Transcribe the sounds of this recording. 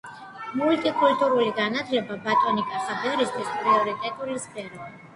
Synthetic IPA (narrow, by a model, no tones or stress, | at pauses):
mult̪ʼikʼult̪ʼuɾuliɡanat̪ʰlɛbabat̪ʼɔnikʼaχabɛɾist̪ʰwispʼɾiɔɾit̪ʼɛt̪ʼulispʰʼɛɾɔ